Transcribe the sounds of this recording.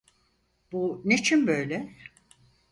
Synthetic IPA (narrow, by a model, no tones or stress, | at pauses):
b̥unet͡ʃʰinbøjlʲɛ